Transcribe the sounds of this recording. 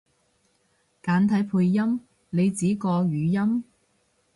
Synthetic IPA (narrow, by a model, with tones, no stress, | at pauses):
kaː˨˥nt̪ʰɐ˨˥jpʰuː˧jːɐ˥m | ne˨˧jt͡siː˨˥kɔː˧ɥyː˨˧jɐ˥m